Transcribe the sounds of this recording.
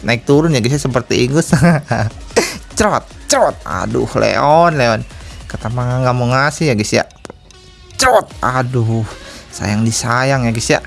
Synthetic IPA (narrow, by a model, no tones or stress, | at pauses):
naɪk̚t̪uɾʊnjaɡisiasəpərt̪iːŋɡʊsaa | t͡ʃɾɔt̪̚t͡ʃɾɔt̪̚a̰dʊ̰hlḛɔnleɔnkət̪amaŋaŋamoŋasijaɡisia̰ʔ | t͡ʃɾɔt̪̚adʊhsa̰jaŋdisajaŋjaɡisia̰ʔ